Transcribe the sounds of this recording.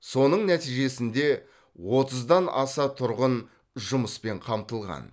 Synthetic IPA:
so̞nəɴnæt̪ijʒe̞sɪnd̪e̞ | wo̞t̪əzd̪ɑnɑ̰sɑt̪ʰʊɾʁən | ʒʊməspe̞ɴqʰɑmt̪əlˠʁɑ̰n

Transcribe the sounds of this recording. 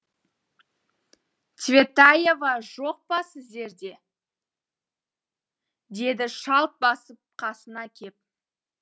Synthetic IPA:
t̪vʲe̞t̪aje̞vɑʒo̞q̚pɑsɪzd̪e̞ɾd̪e̞ | d̪e̞d̪ɪʃɑlˠp̚bɑsəp̚qʰɑsənɑkʲʰe̞p̚

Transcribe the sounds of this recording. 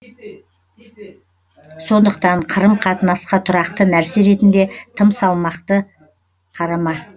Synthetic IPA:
so̞nd̪əq̚t̪ɑɴqʰəɾəmqʰɑt̪ənɑsqɑt̪ʰʊɾɑqt̪ənæɾseɾe̞t̪ɪnd̪e̞t̪ʰəmsɑlˠmɑqt̪ə | qʰɑɾɑmɑ

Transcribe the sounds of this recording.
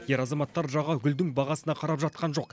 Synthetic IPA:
je̞ɾɑzɑmɑt̪ːɑɾʒɑʁɑɡʲʏld̪ɪŋbɑʁɑsənɑqʰɑɾɑpʒɑt̪̚qɑnʒo̞q

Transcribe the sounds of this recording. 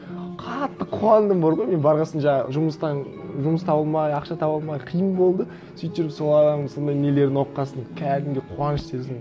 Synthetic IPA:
qʰɑt̪ːəqʰuɑnd̪əmboɾʁojme̞nbɑɾʁɑsənʒɑʒʊməst̪ɑ | ʒʊməst̪ʰɑbəlˠmɑjɑqʃɑt̪ʰɑbəlˠmɑjqʰəjəmbo̞lˠd̪ə | syjt̪ːɪɾɪpso̞lˠɑd̪əso̞nd̪ɑjnele̞ɾd̪ɪno̞qːɑsənkʲʰæd̪ɪmɡ̪ʲeqʰuɑnəʃse̞zd̪ɪm

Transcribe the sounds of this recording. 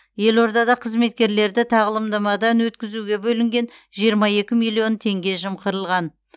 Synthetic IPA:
je̞lo̞ɾd̪ɑd̪ɑqʰəzme̞t̪̚kʲe̞ɾle̞ɾd̪ɪt̪ʰɑʁəlˠəmd̪ɑmɑd̪ɑnwɵt̪kʲɪzuɡʲe̞bɵlɪŋɡʲe̞nʒijəɾmɑje̞kʲɪmijlˠijo̞nt̪ʰe̞ŋɡʲe̞ʒəmqəɾəlˠʁɑn

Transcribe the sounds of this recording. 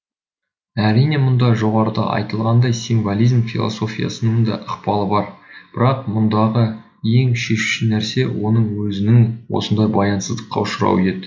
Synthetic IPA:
æɾijne̞mʊnd̪ɑʒo̞ʁɑɾəd̪ɑ̰ʔɑ̰jt̪əlˠʁɑnd̪ɑjsiɱvolˠijzmfʲilˠo̰so̞fʲijɑ̰sənəŋd̪ɑ̰ʔəqpɑlˠəbɑɾb̥ɪɾɑq̚mʊnd̪ɑʁə | je̞ŋʃe̞ʃu̥ʃɪnæɾse̞wo̞nəɴwɵzɪnɪŋwo̞̰sənd̪ɑjbɑjɑnsəzd̪əqʰːɑ̰ʊʃəɾɑ̰wed̪ɪ

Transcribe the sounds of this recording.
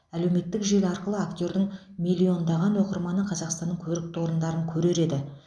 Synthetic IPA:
æle̞wme̞t̪ːɪkʒelɑɾqəlˠəakt̪ʲo̞ɾd̪ɪŋ | milʲːio̞nd̪ɑʁɑnwo̞qəɾmɑnəqʰɑzɑqst̪ɑnːəŋkʲʰɵɾɪk̚t̪wo̞ɾənd̪ɑɾəŋkʲʰɵɾe̞ɾe̞d̪ɪ

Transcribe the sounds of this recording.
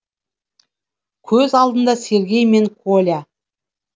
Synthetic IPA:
kʲʰɵzɑlˠd̪ənd̪ɑse̞ɾɡʲe̞jme̞ŋkʰolʲa

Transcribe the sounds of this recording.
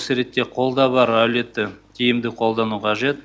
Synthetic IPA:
səɾe̞t̪ːe̞qʰo̞lˠd̪ɑbɑɾæwle̞t̪ːɪk̪ʲʰijɪmd̪ɪqʰo̞lˠd̪ɑnuqʰɑʒe̞t̪

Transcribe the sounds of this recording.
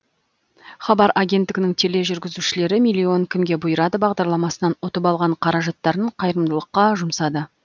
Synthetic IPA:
χɑbɑɾaɡʲe̞nt̪ːɪɡʲɪnɪŋt̪ʰe̞le̞ʒʏɾɡʲɪzuʃɪle̞ɾɪmijlʲːio̞ŋkʲʰɪmɡʲe̞bʊjəɾɑd̪əbɑʁd̪ɑɾlˠɑmɑsənɑnwot̪əpɑlˠʁɑɴqʰɑɾɑʒɑt̪ːɑɾəɴqʰɑjɾəmd̪əlˠəqːɑʒʊmsɑd̪ə

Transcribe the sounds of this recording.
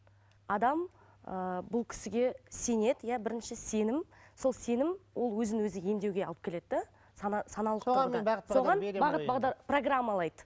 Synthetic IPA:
ɑd̪ɑm | əbʊlˠkʲʰɪ̥sɪɡʲe̞se̞ne̞d̪ɪjæbɪɾɪnʃɪse̞nɪmso̞lˠse̞nɪmwʔo̞lˠwɵzɪnwɵzɪje̞md̪e̞wɡʲe̞ɑlˠəp̚kʲe̞le̞d̪ɪd̪a | sɑnɑsɑnɑlˠəq̪t̪o̞ʁɑnbɑʁəbɑʁd̪ɑpro̞ɡramːalˠɑjd̪ə

